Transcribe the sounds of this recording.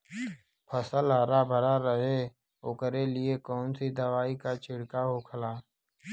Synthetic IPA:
pʰəsəlɦaːɾabʱəɾaɾəɦe | oːkəɾelɪekɔːnsid̪əʋaːikat͡ʃʰɪɽkaɦokʰəlaː

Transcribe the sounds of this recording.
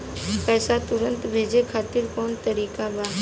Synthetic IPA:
pɛːsat̪ʊɾə̃nt̪bʱeːd͡ʒekʰaːt̪ɪɾkɔːnt̪əɾiːkabaː

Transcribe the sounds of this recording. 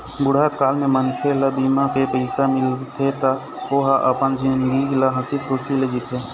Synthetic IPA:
bʊɽ̤aːt̪kaːlmẽmənkʰelabimãkepəɪsamɪlt̪ʰet̪a | oːɦaʔəpənd͡ʒinɡiɡlaɦəsid̪̚kosiled͡ʒit̪ɦeː

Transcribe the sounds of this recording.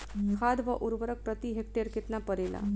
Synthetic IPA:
kʰad̪ʋəʔuɾʋəɾək̚pɾət̪iɦek̚ʈ̪eɾket̪napəɾela̰

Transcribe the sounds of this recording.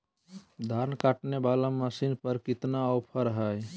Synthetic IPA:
d̪ʱaɾnkaːʈnebaːlaməsinpəɾkɪt̪naɔʊpʰəɾɦəj

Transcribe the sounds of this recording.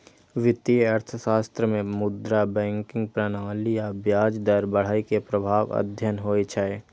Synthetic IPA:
ʋɪt̪iəɾt̪ʰəʃaːst̪ɾəmẽmʊd̪ɾabɛ̃ːŋkɪ̃ŋɡ̚pɾəñaːlijabjaːd͡ʒd̪əɾbəɽ̤aːikepɾəbʱaːʋə̰d̪ʱjənɦoːet͡ʃʰae

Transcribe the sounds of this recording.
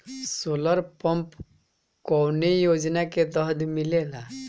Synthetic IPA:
soləɾpɔmp | kɔwnejod͡ʒnaket̪əɦd̪milela

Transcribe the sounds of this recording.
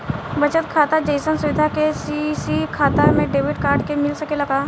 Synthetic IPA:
bɐt͡ʃət̪kʰaːt̪ad͡ʒəɪsənsʊʋɪd̪ʱakesisikʰaːt̪amẽɖeːʋɪʈkaːɾʈkemɪlsɐkelɐɡaː

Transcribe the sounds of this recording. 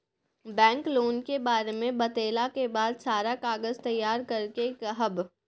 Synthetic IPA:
bɛ̃ːŋkloːnkebaːɾemẽbɐt̪eːlakebaːd̪saːɾakaːɡəzt̪ɐjːaːɾkɐɾkekɦɐb

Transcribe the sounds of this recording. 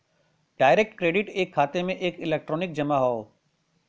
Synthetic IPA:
ɖaːɪɾek̚ʈkɾeːɖɪʈeːkʰːaːt̪emẽʔeːkɪleːk̚ʈɾoːnɪk̚d͡ʑɐmaɦoo

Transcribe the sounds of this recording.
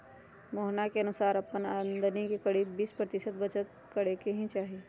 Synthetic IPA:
moːɦnakeɐnʊsaːɾɐpənənd̪ənikikəɽiːbːiːspɾət̪ɪʃət̪̚bət͡ʃət̪̚ | kəɽ̤ekeɦĩt͡ʃaːɦeː

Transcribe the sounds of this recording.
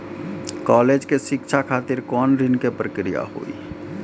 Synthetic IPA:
kɔːleːd͡ʒkeʃɪkʃʰakʰaːt̪ɪɾkɔːnɾɪnkepɾəkɾija̰ɦo̰ːḭ

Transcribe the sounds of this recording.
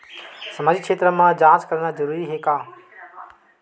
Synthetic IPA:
sɐmaːd͡ʑikʃʰeːt̪ɾəmãd͡ʑãːt͡ɕkɐɾnazɐɾuːɾiɦeːkaː

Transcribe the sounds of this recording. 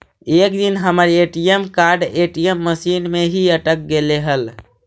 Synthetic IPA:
ek̚d̪inɦəməɾeʈijemkaɾɖeʈijemːəsinmeɦiəʈək̚ɡeleɦəl

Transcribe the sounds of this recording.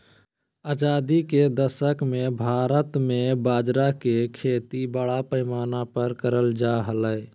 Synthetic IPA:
aːd͡ʒaːd̪iked̪əʃəkmẽbʱaːɾət̪mẽbaːd͡ʒɾakekʰeːt̪ibəɽapəɪmaːnapəɾkəɾəld͡ʒaɦələ

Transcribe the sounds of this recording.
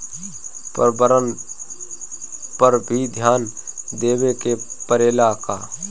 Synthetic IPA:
pəɾbəɾən | pəɾbʱid̪ʱjaːnd̪eːwekepəɾeːlakaː

